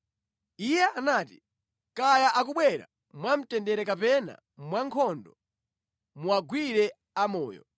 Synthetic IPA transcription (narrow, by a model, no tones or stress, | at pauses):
ijɛʔanaːti | kajaʔak̬uɓwɛɾa̰ | mwam̩tɛndɛɾɛkapɛna̰ | mwaŋkʰɔndɔ | muaɡwiɾɛ | amɔːjɔ̰